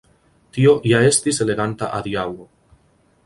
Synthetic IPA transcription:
tio̞ʔjae̞st̪ise̞le̞ɡanta̰ʔaðiawo

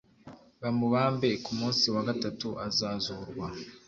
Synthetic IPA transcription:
βamuβaːmbe̞kumuːnsiwaɡatatuʔazaːzuɾɡwa

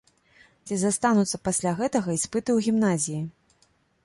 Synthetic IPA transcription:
t͡sʲizast̪anut̪sːɐpasʲlʲaɣɛt̪ɐɣɐispɨt̪ɨwɣʲimnazʲiji

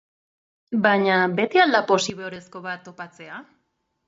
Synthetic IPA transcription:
baɲabe̞t̪iald̪apo̞siβeoɾe̞sko̞βat̪ːo̞pat͡se̞a

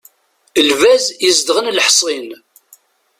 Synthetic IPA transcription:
əlvæzjəzd̪ʁənlħsˤin

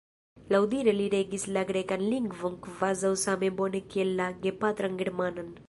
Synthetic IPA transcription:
lɐwd̪iɾeliɾeːɡislɐɡɽekɐnliŋɡʋuŋkʋazɐwsaːmẽboːnekelːaːɡepaːt̪ɾɐŋɡiɽmaːnɐn

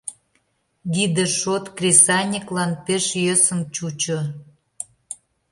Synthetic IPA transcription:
ɡ̪id̪eʃot̪krʲesɑnʲiklɑnpeʃjøsə̆mt͡ɕut͡ɕo

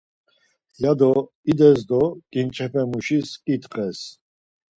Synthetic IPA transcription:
jad̪ɔ | id̪ɛsd̪ɔkʼint͡ʃʼʰɛpʰɛmuʃiskʼit̪ʼqʼɛs

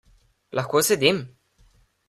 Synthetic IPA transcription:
lʔɐxkoːsɛd̪im

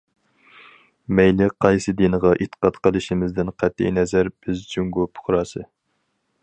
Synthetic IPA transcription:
mɛjlɪqʰɑjsɨd̪inəʁɑʔit̪ʰːə̥qʰɑt̪qʰəlˠɨʃimɪzd̪ɪnqʰɛt̪ʰːḭjnɛzæɾb̥ɪzd͡ʒyŋɡupʰʊ̥χɾɑsɨ

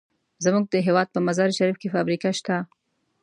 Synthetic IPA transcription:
zamuɡ̚d̪əɦewɑd̪̚pəmazɑɾiʃaɾifkefɑbɾikaʃt̪a

